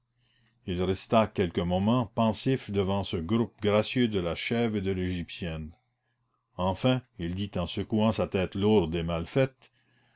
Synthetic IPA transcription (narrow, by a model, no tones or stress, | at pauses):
ilʁɛst̪akʲɛlkəmɔmɑ̃pɑ̃sifd̪əvɑ̃səɡʁup̚ɡʁasjød̪əlaʃɛved̪əleʒipsjɛn | ɑ̃fɛ̃ild̪it̪ɑ̃səkuɑ̃sat̪ɛːt̪luʁd̪emalfɛt̪